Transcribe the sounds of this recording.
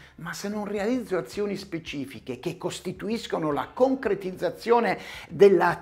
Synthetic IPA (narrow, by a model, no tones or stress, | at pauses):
masːenːonrealid̪zːoat̪sːjoːnispet͡ʃiːfikek̟ekːost̪it̪uiskonola̰koŋkɾet̪id̪zːat̪sːjɔːned̪elːa